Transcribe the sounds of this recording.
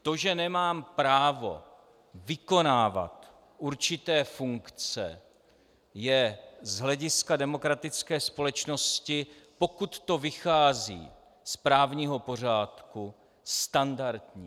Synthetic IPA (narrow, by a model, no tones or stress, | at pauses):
t̪o̞ʒɛnɛmaːmpɾaːvo̞̰ | vɪko̞naːva̰t̪ | ʔuɾt͡ʃɪt̪ɛːfuŋkt͡sɛ̰ | jɛzɦlɛɟɪskadɛmo̞kɾat̪ɪt͡skɛːspo̞lɛt͡ʃno̞scɪpo̞kut̪ːo̞vɪxaːzḭː | spɾaːvɲiːɦo̞po̞r̝aːt̪ku | st̪andaɾt̪ɲiː